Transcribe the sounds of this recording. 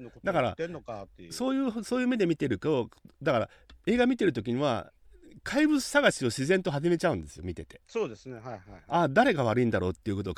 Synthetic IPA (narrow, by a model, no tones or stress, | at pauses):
d̪akaɾa̰enokaso̞ːjɯːsoːjɯ̟ːme̞d̪e̞mʲit̪e̞ɾɯ̟kod̪akaɾa̰ | e̞ːɡamʲit̪e̞ɾɯ̟t̪o̞kʲiɲ̟iβa̰ | kʰaibɯ̟t͡sɨ̥saɡaɕio̞ɕizẽ̞nt̪o̞ɦaʑime̞t͡ɕaɯ̟̃nd̪e̞sɨjo̞̰mʲit̪e̞t̪e̞soːd̪esɨnehajhajad̪aɾe̞ɡaβ̞aɾɯ̟ĩnd̪aɾo̞ːt̪ːeiɯ̟kot̪o̞